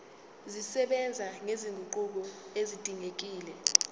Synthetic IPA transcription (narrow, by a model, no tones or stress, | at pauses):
zisɛɓɛnd͡zʱaŋeziŋɡʱuǃuk̬ɔezid̥ʱiŋek̬iːlɛ